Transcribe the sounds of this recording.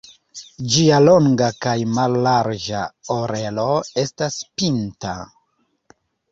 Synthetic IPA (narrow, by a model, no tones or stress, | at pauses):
d͡ʒialo̞ŋɡakajmalːaɾd͡ʒaoɾe̞lo̞e̞staspinta̰